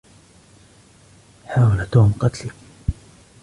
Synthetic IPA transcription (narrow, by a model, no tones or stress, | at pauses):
ħaːwalat̪oːmqɑt̪li